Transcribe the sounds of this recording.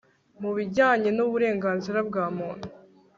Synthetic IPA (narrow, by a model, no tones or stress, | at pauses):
muβiɟaːɲe̞nuβuɾe̞ːŋɡaːnziɾab̚ɡaːmuːn̥u